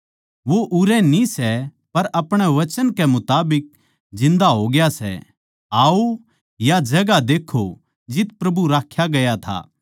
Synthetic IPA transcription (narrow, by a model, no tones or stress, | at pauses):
ʋoʔʊɾɛnĩsɛ | pɐɾɐpɽ̃ɛʋɐt͡ʃənkɛmʊt̪aːbɪk̚ | d͡ʒɪ̃nd̪aɦoɡɪjasɛ̰ | aːo | jad͡ʒɐɡad̪eːkʰo | d͡ʒɪt̪pɾɐbuɾaːkʰːjaɡɐjat̪ʰa̰ː